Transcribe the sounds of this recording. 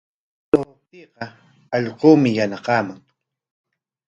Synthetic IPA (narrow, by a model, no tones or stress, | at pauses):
t̪ot̪iːqɑ | ɑʎquːmɪjanɑqɑːmaŋ